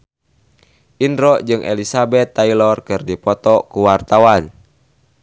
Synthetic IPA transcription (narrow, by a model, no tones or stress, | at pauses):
ʔindɾɔʔd͡ʒɨŋʔɛ̰lisabɛt̪ːailɔrkɨrdipɔt̪ɔkuwart̪awan